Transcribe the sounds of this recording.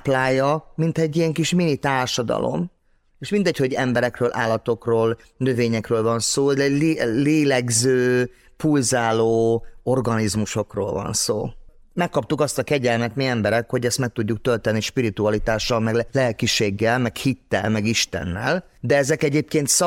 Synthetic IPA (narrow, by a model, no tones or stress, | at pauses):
plaːjɒmint̪ɛɟːijɛŋkiʃminit̪aːrʃɒd̪ɒ̰lo̞̰m | eːʃmind̪ɛcho̞ɟɛmbɛɾɛkrøːlʔa̰ːlːɒt̪o̞kroːl | nøveːɲɛkrøːlvɒnsoːɛlleːlɛɡzøː | pulzaːloːo̞rɡɒnizmuʃo̞kro̰ːlvɒ̰nso̰ː | mɛkːɒp̚t̪ukɒst̪ɒkɛɟɛlmɛt̪miɛmbɛɾɛkho̞ɟɛst̪mɛk̚t̪uɟːuk̚t̪ølt̪ɛnːiʃpiɾit̪uɒlit̪aːʃːɒlmɛɡlɛɛkiʃeːɡːɛlmɛkhit̪ːɛ̰lmɛɡiʃt̪ɛ̰nːɛ̰l | d̪ɛɛzɛkɛɟeːp̚keːnt̪sɒ